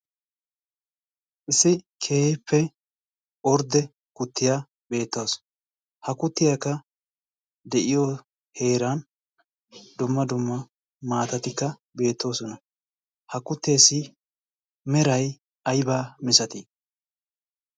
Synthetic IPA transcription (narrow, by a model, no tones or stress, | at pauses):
ʔɪsːɪ | kʰe̞ːhpːɛ | ɔɾd̪ɛ | kʊt̪ːɪja | be̞ːt̪ːɐws | hɐkʊt̪ːɪjakːɐ | d̪ɛʔɪjo | he̞ːɾan | d̪ʊmːɐd̪ʊmːɐ | maːt̪ɐt̪ɪkːɐ | be̞ːt̪ːo̞ːsɔnɐ | hɐkʊt̪ːe̞ːsɪ | mɛɾɐj | ɐjbaːmɪsɐt̪i